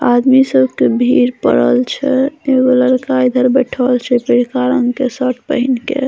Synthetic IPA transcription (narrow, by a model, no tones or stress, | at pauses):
ad̪misəbkebʱiɾpə̰ɽəlt͡ʃʰɛeɡoləɽkaid̪ʱəɾbəʈʰəlt͡ʃʰɛpəɾikaɾəŋkesəʈ̚ʰpəɦinkḛ